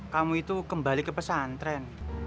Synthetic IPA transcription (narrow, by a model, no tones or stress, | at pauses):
kamuit̪ukəmbalikəpəsant̪ɾɛn